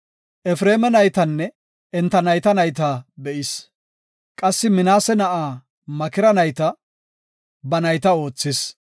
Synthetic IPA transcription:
ʔɛfɾeːmɛnɐjt̪ɐnːɛ | ɛnt̪ːɐnɐjt̪ɐnɐjt̪aːbɛʔɪs | kʼɐsːɪmɪnaːsɛnɐʔaː | mɐkɪɾɐnɐjt̪ɐ | bɐnɐjt̪ɐo̞ːt͡sːɪs

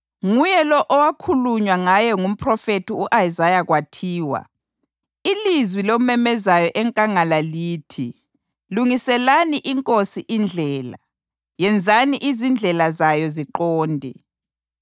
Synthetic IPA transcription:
ŋujɛlɔʔɔwakʰuluɲwaŋajɛŋum̩pʰʼrɔfetiuʔaizajaɣwatʰiːwa̰ | ilizwilomɛmɛzajɔʔɛŋkʼaŋalaliːtʰi | luŋisɛlaniʔiŋkʼosiʔind͡ɮʱɛːla̰ | jɛnd͡zʱaniʔizind͡ɮʱɛlazajɔziǃɔːndʱḭ

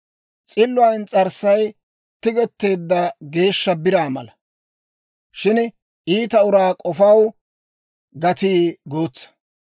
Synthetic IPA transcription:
t͡sʼɪlːʊɐnt͡sʼɐɾsɐj | t̪ːɪɡɛt̪ːe̞ːd̪ːɐɡe̞ːʃːɐbɪɾaːmɐ̰lɐ | ʃɪn | ʔiːt̪ɐʊɾaːkʼɔfɐw | ɡɐt̪iːɡoːt͡sːɐ̥

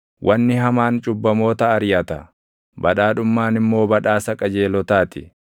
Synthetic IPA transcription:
wʔɐnːɪɦɐmaːnt͡ʃʼʊbːɐmo̞ːt̪ɐːɾjɐt̪ɐ | bɐᶑaːᶑʊmːaːnɪmːo̞ːbɐᶑaːsɐkʼɐd͡ʒe̞ːlɔt̪aːt̪ɪ

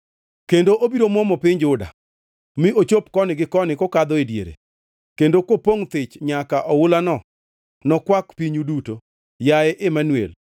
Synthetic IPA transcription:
kendoʔobiɾomɔmɔpɪɲd͡ʒʊda̰ | miot͡ʃop̚kɔnɪɡɪkɔnɪkɔkad̪ɔedjḛɾḛ | kendokopoŋt̪ɪt͡ʃɲakaʔɔwʊlanɔ | nɔkwakpiɲuduto | jaɛʔɪmanwḛl

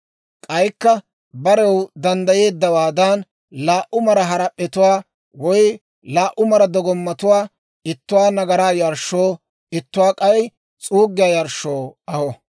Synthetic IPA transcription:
kʼɐjkːɐ | bɐɾɛwd̪ɐnd̪ɐje̞ːd̪ːɐwaːd̪ɐn | laːʔʊmɐɾɐɦɐɾɐpʼːɛt̪ʊwaː | wɔj | laːʔʊmɐɾɐd̪ɔɡɔmːɐt̪ʊwaː | ɪt̪ːʊwaːnɐɡɐɾaːjɐɾʃːo̞ː | ɪt̪ːʊwaːkʼɐj | t͡sʼuːɡːɪjaːjɐɾʃːoːɐhɔ

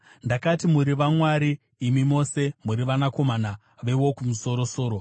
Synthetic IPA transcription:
ndakatimuɾiʋamwaɾiː | mimo̞se̞muɾiʋanako̞mana | ʋe̞wo̞kumuso̞ɾo̞so̞ːɾo

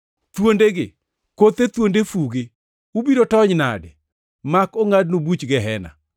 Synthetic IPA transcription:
t̪wondeɡɪ | kot̪et̪wondefuɡɪ | ubidotɔɲna̰dɛ | makoŋadnobut͡ʃɡɛɦɛna̰

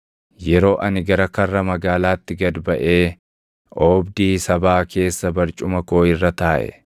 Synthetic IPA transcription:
jɛɾo̞ːʔɐnɪɡɐɾɐkɐrːɐmɐɡaːlaːt̪ːɪɡɐd̪bɐʔe̞ː | ʔoːbd̪iːsɐbaːkʰe̞ːsːɐbɐɾt͡ʃʼʊmɐko̞ːɪrːɐt̪aːʔɛ̰

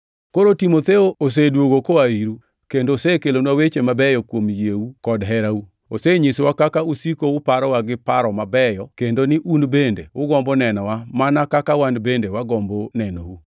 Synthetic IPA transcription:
koɾotimot̪eoos̬edwoɡokoaiɾu | kendoosekelonwawet͡ʃemabɛjɔkwomjeukɔdɦɛɾau | oseɲiswakakausikoʊpaɾɔwaɡɪpaɾɔmabɛjɔkendonɪʔunbendeʊɡɔmbɔnɛnɔwamanakakawandbendewaɡɔmbonɛno̰wu

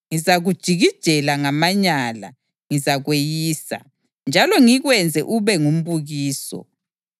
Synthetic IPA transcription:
ŋizaɣud̥ʒ̥ʱiɣid̥ʒ̥ʱɛlaŋamaɲala̰ | ŋizaɣwejiːsa̰ | nd͡ʒʱalɔŋiɣwɛnd͡zʱɛ̰ʔuβɛŋum̩βuɣiːsɔ̰

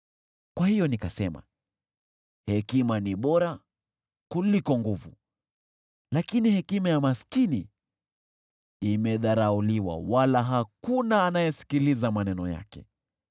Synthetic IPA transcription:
kwahijɔnikasɛma̰ | hɛkimaniɓɔɾa | kulikɔŋɡuvṵ | lakinihɛkimajamaskini | imɛðaɾauliwa̰walaɦakunaːnajɛsi̥kilizamanɛnɔja̰kɛ̰

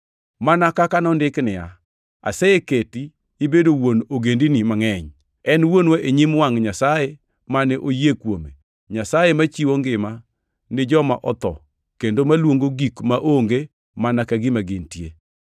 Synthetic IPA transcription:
manakakanɔndɪknɪa̰ | a̰sɛjeketiː | bedowonoɡendinimaŋɛɲ | ɛnwonwoʔeɲimwaŋɲasaje | manɛʔojekwome | ɲasajemat͡ʃiwoŋɡɪma | nɪd͡ʒɔma̰ʔɔt̪ɔ̰ | kendomalwoŋɡoɡikmaʔoŋɡe | manakaɡɪmaɡɪntjḛ

